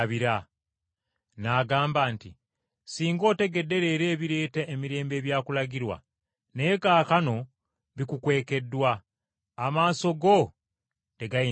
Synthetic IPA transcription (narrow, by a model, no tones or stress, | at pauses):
βiɾa | naːɡaːmbaːnti | siːŋɡo̞ːte̞ɡe̞dːe̞ɾe̞ɾe̞ːβiɾe̞ːtaʔemiɾe̞ːmbe̞ːβjaːkulaɡiɾwa̰ | ne̞kaːkano̞ | βikukwe̞ːke̞dːwaː | maːso̞ɡo̞ | te̞ɡai